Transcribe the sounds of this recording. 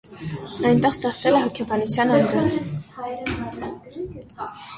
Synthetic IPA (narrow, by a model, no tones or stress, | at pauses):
ɑjnt̪ɛχst̪ɛχt͡sɛlɛɦɔkʰɛbɑnut͡sʰjɑnɑnɡɑɾ